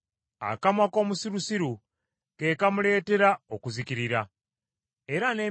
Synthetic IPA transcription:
a̰kamwako̞ːmusiɾusiɾu | ke̞ːkamule̞ːte̞ɾao̞kuzikiɾiɾa | e̞ɾaneː

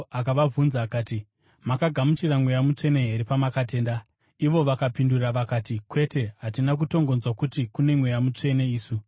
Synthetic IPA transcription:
akaʋavʱunzaːkaːti | makaɡʱamut͡ʃiramwe̞jamut͡ʂe̞ne̞ɦe̞ɾepamakate̞ːnda | iʋo̞ʋakapinduraʋakatikwe̞te̞ɦatinak̬uto̞ŋɡo̞nzwakutikune̞mwe̞jamut͡ʂe̞ne̞iːsu

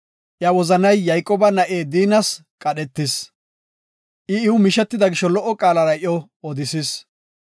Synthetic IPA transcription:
ʔjɐwɔzɐnɐjːɐjkʼːɔbɐnɐʔeːd̪iːnɐskʼɐɗɛt̪ːɪs | ʔɪɪwʊmɪʃɛt̪ːɪd̪ɐɡɪʃːɔlɔʔːɔkʼaːlɐɾɐɔ | ɔd̪ɪsɪs

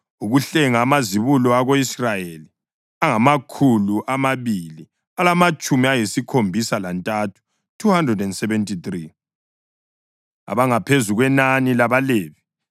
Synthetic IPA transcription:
uɣuɬɛŋaːmaziβulɔaɣoisrajeli | aŋamakʰuluʔamaβili | alamat͡ʃʼumiajisikʰombʱisalantʼatʰu̥ | tʰuhandrɛdɛndsɛβɛntʰʼiθri | a̰βaŋapʰezuɣwɛnanilaβaleːβi

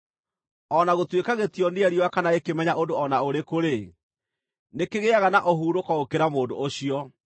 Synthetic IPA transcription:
ɔnaɣotwekaɣetjɔneɛɾiwakanaekemɛɲaʔondoɔnaoɾekoɾe | nekeɣeaɣanaʔoɦuːɾokɔokeɾamoːdo̰ːɕiɔ

